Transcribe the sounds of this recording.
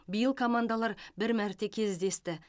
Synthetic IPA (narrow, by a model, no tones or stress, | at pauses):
bijəlˠkʰomand̪alˠɑɾbɪɾmæɾt̪e̞kʲʰe̞zd̪e̞st̪ɪ